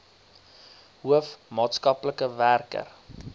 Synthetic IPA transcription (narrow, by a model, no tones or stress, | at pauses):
ɦuəfmɑːtskɐpləkəværkə̰r